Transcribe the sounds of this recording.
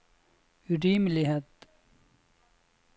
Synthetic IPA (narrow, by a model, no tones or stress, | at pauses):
ʉɾiːmlɪheːt̪